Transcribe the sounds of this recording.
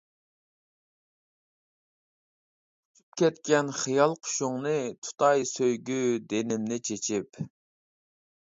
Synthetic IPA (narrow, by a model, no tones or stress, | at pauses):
ypkʲʰɛt̪kʲɛnχijɑlˠqʰʊ̥ʃuŋnɨt̪ʰu̥t̪ʰɑjsøjɡʲyd̪enɪmnɪt͡ʃʰet͡ʃʰip